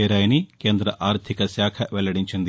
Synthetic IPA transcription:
eːɾaːjɐnikeːnd̪ɾɐʔaːɾt̪ʰikɐsjaːkʰɐʋɛlːɐɽiɲt͡ʃɐnd̪

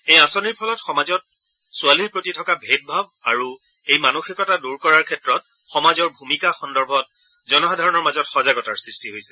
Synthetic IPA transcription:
ejasɔniɹpʰɔlɔtxɔmazɔt̚ | sʊaliɹpɹotitʰɔkabʱet̚bʱaba̰ɹu | ejmanuxikɔtaduɹkɔɹaɹkʰɛtɹɔt̚ | xɔmazɔɹbʱumikaxɔndɔɹbʱɔt̚ | zɔnɔxadʱaɹɔnɔɹmazɔtxɔzaɡɔtaɹsɹistiɦojsɛ̥

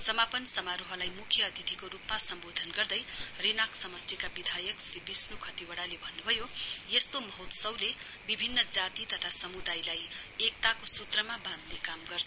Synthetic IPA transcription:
sʌmapʌnsʌmaɾoɦʌlajmukʰjʌːd̪ʱit̪ikoɾupmasʌmbod̪ʱʌnɡʌrd̪ʌjrinakʰsʌmʌst̪ikabid̪ʱajʌksɾibisnukʰʌt̪iwʌɽalebʱʌnːubʱʌjojest̪omʌɦot̪sʌwle | bibʱinːʌd͡zat̪it̪ʌt̪ʰasʌmud̪ajlajek̚t̪akosut̪rʌmabãd̪ʱnekamɡʌrsʰ

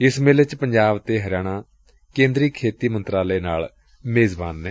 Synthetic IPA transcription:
ɪsmeːlɪt͡ʃpəɲd͡ʒaːbt̪eːɦəɾɪjaːɽ̃ãː | kẽːnd̪ɾiːkʰeːt̪iːmənt̪ɾaːleːnaːl | meːzbaːnːɛː

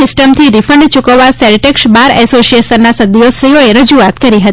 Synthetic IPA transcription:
ɪsʈəmt̪ʰiɾifəɳɖt͡ʃukəʋasɛɾʈeksbaɾɛsosiesənːasəd̪josəjoeɾəd͡ʒuat̪kəɾiɦət̪i

